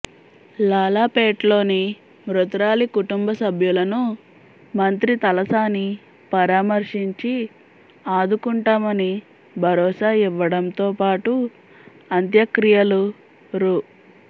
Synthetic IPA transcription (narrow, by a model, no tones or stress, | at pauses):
laːlaːpeːʈlo̞ːni | mɾut̪ɾaːlikuʈumbɐsɐbʱjulɐnu | mɐnt̪ɾit̪ɐlɐsaːni | pɐɾaːmɐɾʂiɲt͡ʃi | aːd̪ukuɳʈaːmɐni | bʱɐɾɔːsaːiʋːɐɽɐnt̪oːpaːʈu | ɐnt̪jɐkɾijɐlu | ɾu